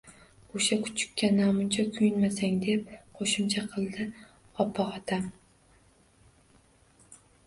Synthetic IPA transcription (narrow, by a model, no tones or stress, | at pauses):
oʃakʰʊ̥t͡ʃʰɪ̥kʲːanamʊnt͡ʃʰakʲʰʊjɪnmasaŋd̪e̞p̚qʰoʃɪmt͡ʃʰaqʰɨlˠd̪ɪ | ɒpʰːɑɒt̪ʰam